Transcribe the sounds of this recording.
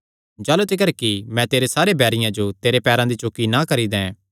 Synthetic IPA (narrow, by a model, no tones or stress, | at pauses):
d͡ʒaːlut̪ɪkəɾkimɛ̃t̪eːɾesaːɾebɛːɾɪjãd͡ʒot̪eːɾepɛːɾãd̪it͡ʃoːkinakɐɾid̪ɛ̃